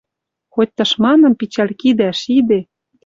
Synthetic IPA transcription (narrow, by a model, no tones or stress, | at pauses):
xot̚ʲt̪ɤ̆ʃmɑnɤ̆mpit͡ɕælʲkid̪æʃid̪e